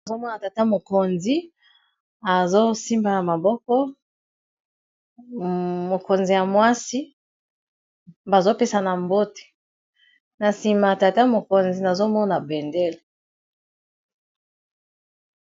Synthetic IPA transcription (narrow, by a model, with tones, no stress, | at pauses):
a˨zo˦mɔ˦na˨ta˨ta˦mo˨ko˨nzi˦ | a˨zo˦si˦mba˦na˨ma˨bɔ˦kɔ˦ | mo˨ko˨nzi˨ja˨mwa˦si˦ | ba˨zo˦pe˦sa˨na˨mbo˦te̥˨ | na˨si˨ma˨ta˨ta˦mo˨ko˨nzi˨na˨zo˦mɔ˦na˨bɛ˨ndɛ˦le˨